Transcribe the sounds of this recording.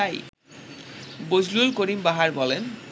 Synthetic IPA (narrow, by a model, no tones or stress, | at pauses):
aj | bod͡ʑʱlulkoɾimbaɦaɾbɔlen